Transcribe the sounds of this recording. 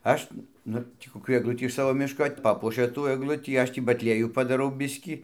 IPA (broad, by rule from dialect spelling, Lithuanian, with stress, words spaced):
ˈɐʃ ˈnʊ ˈtʲiː koːˈkʲuː ɛɡˈlˠʊtʲiː ɪʃ ˈsɑːʋoː ˈmʲɪʃkoː ˈpɑːpuɔʃʲɛ tuː ɛɡˈlˠʊtʲiː ˈɐʃ tʲiː bɐtʲˈlʲiɛjuː pɐdɐˈrɐʊ ˈbʲɪsʲkʲiː